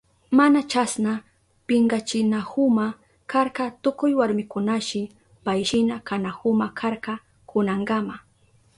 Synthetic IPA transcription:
manat͡ʃasna | pɪŋɡat͡ʃɪnahʊma | kaɾkat̪ʊkʊjwaɾmɪkʊnaʃɪ | pajʃɪnakanahʊmakʰaɾkɑ | kʊnaɴɡama

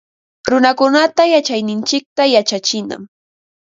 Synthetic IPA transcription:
ɾʊnakʊnat̪ajat͡ʃajnɪnt͡ʃɪk̚t̪ajat͡ʃat͡ʃɪna̰m

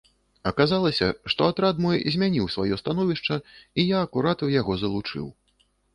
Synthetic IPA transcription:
ɐkazalˠɐsʲɐʂt̪ɔat̪ɾad̪mɔjzʲmʲanʲiwsvajɔst̪anɔvʲiʂt͡ʂɐijaɐkuɾat̪ɨwjaɣɔzɐlˠut͡ʂɨ̰w

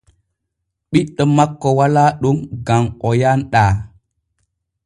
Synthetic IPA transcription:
ɓiɗːɔmakːɔwalaːɗumɡamɔjanɗaː

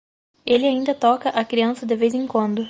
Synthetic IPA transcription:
elɪaĩnd̪ɐt̪ɔkɐʔɐkɾiɐ̃sɐd̪ɪvejzẽŋ̃kwɐ̃nd̪ʊ

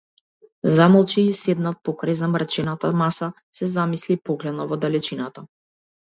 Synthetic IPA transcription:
zamɔlˠt͡ʃisɛd̪nat̪̚pɔkɾajzamɾt͡ʃɛnat̪amasa | sɛzamislipɔɡlɛd̪nɔvɔd̪alɛt͡ʃinat̪a

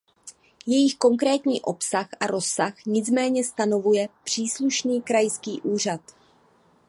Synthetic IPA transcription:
jɛjɪxko̞ŋkɾɛːt̪ɲiːʔo̞psaxʔaɾo̞saxɲɪt͡smɛːɲɛst̪ano̞vujɛpr̝̥iːsluʃniːkɾajskiːʔuːr̝at̪

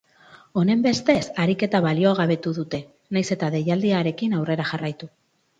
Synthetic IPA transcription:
o̞ne̞mbe̞st̪e̞saɾike̞t̪aβalio̞aɣaβe̞t̪uðut̪e̞ | najse̞t̪aðe̞jald̪iaɾe̞kinawre̞ɾaʝarajt̪u

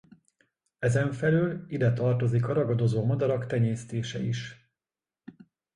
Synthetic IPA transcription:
ɛzɛɱfɛlylid̪ɛt̪ɒrt̪o̞zikɒɾɒɡɒd̪o̞zoːmɒd̪ɒɾɒkt̪ɛɲeːst̪eːʃɛ̰iʃ

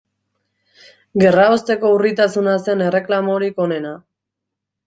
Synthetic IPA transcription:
ɡe̞raost̪e̞ko̞urit̪asunase̞ne̞re̞klamoɾiko̞ne̞na

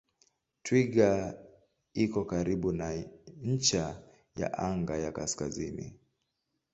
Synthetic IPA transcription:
twiɡa | ikɔkaɾiɓunaɲ̩t͡ʃa | ja̰ʔaŋɡajakaskazinḭ

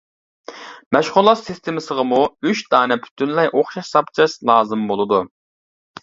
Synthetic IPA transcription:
mɛʃχʊlˠːɑsist̪ʰemɨsəʁɑmuyʃd̪̥ɑːnɛpʰy̥t̪ʰynlɛjʔoχʃɑʃsɑpt͡ʃʰɨʃlˠɑːzɨmbolˠɨd̪u

